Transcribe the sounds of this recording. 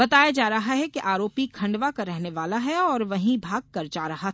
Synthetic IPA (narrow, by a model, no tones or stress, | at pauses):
bɐt̪aːjad͡ʒaːɾɐɦaɦɛkiʔaːɾoːpikʰɐ̃ɳɖʋakaɾɛɦneʋaːlaɦɛɔːɾʋɐɦĩbʱaːɡ̚kɐɾd͡ʒaːɾɐɦa